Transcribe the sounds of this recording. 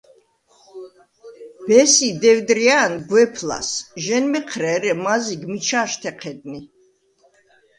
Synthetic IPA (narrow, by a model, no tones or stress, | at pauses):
b̥ɛsid̪ɛwd̪ɾiaːnɡwɛpʰla̰sʒɛnmɛqʰɾɛɾɛmaziɡmit͡ʃʰaːʃt̪ʰɛqʰɛd̪̚ni